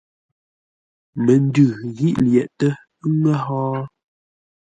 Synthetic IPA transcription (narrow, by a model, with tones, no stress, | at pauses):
mə˨n˦dʉ˨ɣi˦ʔljɛ˨ʔtə˦ | ŋə˦ɦɔː˦